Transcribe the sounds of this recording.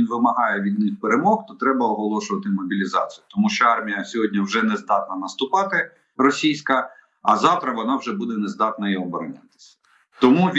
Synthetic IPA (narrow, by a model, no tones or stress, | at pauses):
inʋɪmɐɦɑjɛʋʲid̪nɪxpeɾemɔxt̪ɔt̪ɾɛbɐɔɦɔlˠɔʃʊʋɐt̪ɪmɔbʲilʲizɑ̰t͡sʲijʊt̪ɔmuʃt͡ʃɔɑrmʲijɐsʲɔɦɔdʲnʲiwʒɛnɛzd̪ɑt̪̚nɐnɐst̪ʊpɑt̪ɪ | rɔsʲijsʲkɐ | ɐzɑwt̪ɾɐʋɔnɑwʒɛbud̪ɛnɛzd̪ɑt̪nɐiɔbɔɾɔnʲa̰t̪ɪ̥sʲɐ̥ | t̪ɔmuʋʲ